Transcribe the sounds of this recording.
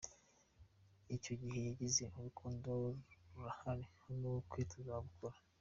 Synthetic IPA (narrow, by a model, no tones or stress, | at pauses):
ico̞ɟihe̞jaɟize̞ʔuβukʰuːndouɾahaɾinukwiːtʰuzaβukʰoɾḁ